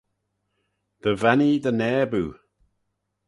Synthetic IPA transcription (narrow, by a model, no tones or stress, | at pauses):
ðəvɛnidənɛːbu